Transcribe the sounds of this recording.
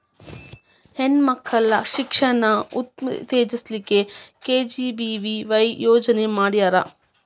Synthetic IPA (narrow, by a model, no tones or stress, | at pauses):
henmɐkʰːɐlɐʃikʂɐɳɐut̪̚t̪eːd͡ʒislikːekeːd͡ʒibiʋiʋɐjjoːd͡ʒɐnemaːɽijaːɾɐ